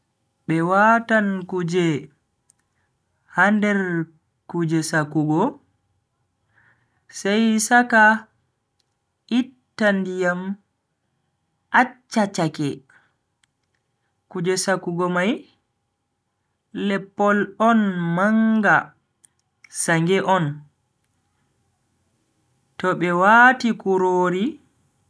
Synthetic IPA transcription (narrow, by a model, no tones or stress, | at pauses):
ɓɛwatankud͡ʒɛ | handɛɾ | kud͡ʒɛsakuɡɔ | sajsaka | itːandijam | ʔat͡ʃːat͡ʃakɛ | kud͡ʒɛsakuɡɔmaj | lɛpːɔlɔnmaŋɡa | saŋɡɛʔɔn | tɔɓɛwatikuɾoːɾi